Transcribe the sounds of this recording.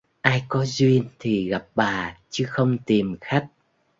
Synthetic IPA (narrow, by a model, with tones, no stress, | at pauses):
ʔaː˧jkɔ˨˦zwi˧ənt̪ʰi˨˩ɣa˨˩p̚ɓaː˨˩t͡ɕɨ˨˦xə˧wŋ͡mt̪i˨˩mxa˦˥k̚